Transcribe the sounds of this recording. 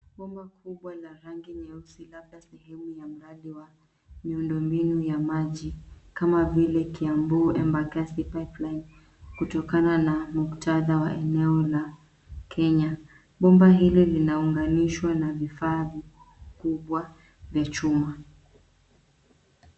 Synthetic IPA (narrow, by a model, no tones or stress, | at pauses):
ɓɔmbakʰuɓwalaɾaŋɡiɲɛusilabɗasɛhɛmujam̩ɾaɗiwa | miundɔmbinujamaʄikamavilɛkiambuːʔɛmbakasipajplajn | kutɔkananamuktaðawaʔɛnɛɔla | kʰɛɲa | ɓɔmbaɦililinauŋɡaniʃwanavifaːvi | kuɓwa | vjat͡ʃuma